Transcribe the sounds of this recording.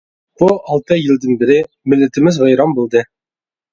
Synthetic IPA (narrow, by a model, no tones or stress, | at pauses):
buɒlˠt̪ɤjɘ̆lˠd̪ɘnbɘ̆ɾɘ | mɘ̆lːɘ̆t̪ɘ̆mɘzʁɑjɾɑmbulˠd̪ɤ